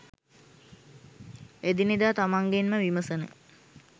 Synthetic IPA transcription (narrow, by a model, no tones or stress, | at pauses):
ed̪inid̪aːt̪amaŋɡenməʋiməsənə̰